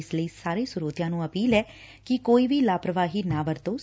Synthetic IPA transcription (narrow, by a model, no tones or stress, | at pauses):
ɪsləiːsaːɾeːsʊɾoːt̪ɪjãːnũːəpiːlɛː | kɪkoːiːʋiːlaːpɾəʋaːɦiːnaːʋəɾt̪oː